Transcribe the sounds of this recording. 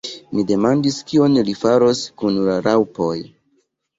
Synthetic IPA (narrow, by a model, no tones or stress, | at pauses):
mide̞mandiskio̞nlifaɾo̞skunlaɾawpo̞j